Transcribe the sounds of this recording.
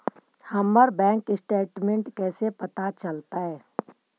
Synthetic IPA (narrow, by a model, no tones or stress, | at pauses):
hɐmːəɾbɛ̃ːŋkɪsʈeːʈmẽɳʈkɛːsepɐt̪at͡ʃɐlt̪aɦɛː